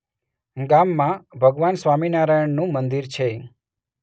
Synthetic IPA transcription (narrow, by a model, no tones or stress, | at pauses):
ɡamːãbʱəɡʋansʋaminaɾəjəɳnũmənd̪iɾt͡ʃʰe